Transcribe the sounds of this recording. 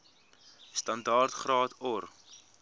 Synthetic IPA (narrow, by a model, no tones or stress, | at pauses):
stɐndɑːrtχrɑːtʰɔr